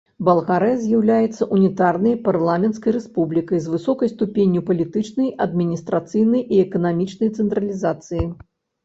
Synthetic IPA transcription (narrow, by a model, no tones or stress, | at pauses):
bɐlˠɣaɾɛzʲjawlʲajɛt̪sːɐʔunʲit̪arnɐjparlˠamʲɛntskɐjɾɛspublʲikɐjzvɨsɔkɐjst̪upʲenʲːjupɐlʲit̪ɨt͡ʂnɐjɐd̪̚mʲinʲist̪ɾat̪sɨjnɐjiɛkɐnamʲit͡ʂnɐjt̪sɛnt̪ɾɐlʲizat̪sɨji